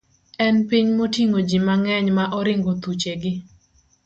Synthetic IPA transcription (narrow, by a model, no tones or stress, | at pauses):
ɛnpiɲmotiŋod͡ʒimaŋɛɲmaʔɔɾɪŋɡot̪ut͡ʃeɡɪ